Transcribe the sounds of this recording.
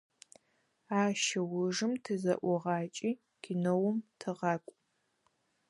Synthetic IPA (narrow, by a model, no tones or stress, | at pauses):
aːʃɐwʊʐɨmtʰɨzɐ̰ʔʷɔʁɑːt͡ʃʼiː | kʰɪnowʊmtʰɨʁɑːkʷʼ